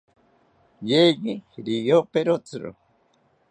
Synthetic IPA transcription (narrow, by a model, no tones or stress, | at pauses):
jeɣiɾijopeɾot͡sɨɾo̰